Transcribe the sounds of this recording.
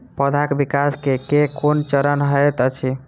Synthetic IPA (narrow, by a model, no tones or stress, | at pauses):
pəd̪ʱakbikaskekekont͡ʃəɾənɦəjt̪ət͡ʃʰi